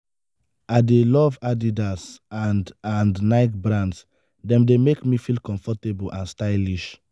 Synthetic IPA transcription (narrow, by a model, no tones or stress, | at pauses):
adelɔvadidasandãndnaɪk̚bɹãnds | dɛ̃mdemekmifilkɔ̃ɱfɔtebulʔãnstaɪliʃ